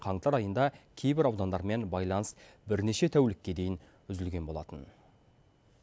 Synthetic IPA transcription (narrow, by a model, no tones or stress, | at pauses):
qʰɑɴt̪ɑɾɑjənd̪ɑkʲʰe̞jbɪɾɑwd̪ɑnd̪ɑɾme̞nbɑjlˠɑnə̥s | bɪɾne̞ʃe̞t̪ʰæwlɪkʲːe̞d̪e̞jɪn | ʏzɪlɡʲe̞nbo̞lˠɑ̰t̪ən